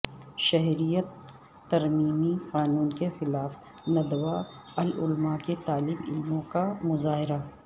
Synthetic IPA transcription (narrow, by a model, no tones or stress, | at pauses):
ʃɐɦɾijət̪ː | ɐɾmiːmiqaːnuːnkexɪlaːf | nɐd̪wa | ɐlʊlmaket̪aːliːmɪ̰lmõkamʊzaːɦɪɾa